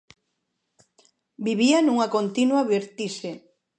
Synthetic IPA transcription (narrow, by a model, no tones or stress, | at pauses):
biβianuŋɐkont̪inwɐβiɾt̪iʃe